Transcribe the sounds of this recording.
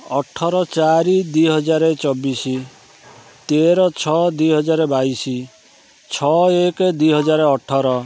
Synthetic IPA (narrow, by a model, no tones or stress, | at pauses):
ɔʈʰɔɾɔt͡ʃaɾid̪iɦɔd͡ʒaɾet͡ʃɔbisi | t̪eɾɔt͡ʃʰɔd̪iɦɔd͡ʒaɾebaisi | t͡ʃʰɔekd̪ujɦɔd͡ʒaɾeɔʈʰɔɾɔ